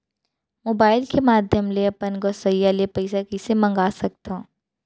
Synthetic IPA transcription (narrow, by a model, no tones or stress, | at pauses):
moːbaːɪlkemaːd̪ʱjəmleɐpənɡɔːsəjːalepɐɪsakɪsemɐ̃ŋɡaːsɐk̚t̪ãː